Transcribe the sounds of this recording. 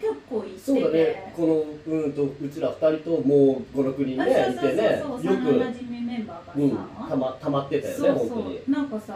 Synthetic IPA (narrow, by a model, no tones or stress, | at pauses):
kekːoːiso̞ːd̪aneko̞no̞ɯ̟̃ːt̪o̞ɯ̟t͡ɕiɾaɸɯ̟̥t̪aɾʲit̪o̞moːɡo̞ɾo̞kɯ̟ɲ̟ĩnːneit̪e̞ne̞jɯkɯm̃mbaɯ̟̃ːt̪amat̪ːamat̪ːe̞t̪ajone̞hont̪o̞ɲ̟ḭnãŋka